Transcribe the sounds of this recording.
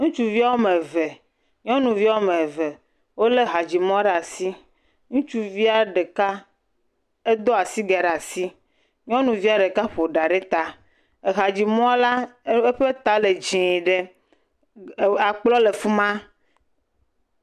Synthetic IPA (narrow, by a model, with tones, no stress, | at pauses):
ŋũ˦t͡ʃu˦vi˦a˦wo˦me˨ve˨ | ɲɔ̃˦nũ˨vi˦a˦wo˦mẽ˨ve˨ | wo˦le˦ɦa˨d͡ʑi˨mɔ̃˦ɖa˨si˦ | ŋũ˦t͡ʃu˦vi˦a˨ɖe˨ka˦ | e˦d̪o˦a˨si˦ɡɛ˨ɖa˨si˦ | ɲɔ̃˦nũ˨vi˦a˦˨ɖe˨ka˦ɸo˨ɖa˨ɖe˦t̪a˦ | e˨ɦa˨d͡ʑi˨m˦ɔ̃˦la˦e˦ɸe˦t̪a˦le˨d͡ʒĩ˨ɖe˦ | a˨k͡plɔ˦le˨fu˦mã˦